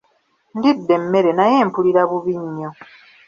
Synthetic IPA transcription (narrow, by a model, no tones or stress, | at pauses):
ndidːe̞mːe̞ɾe̞naje̞ːmpuliɾaβuβiɲːo̞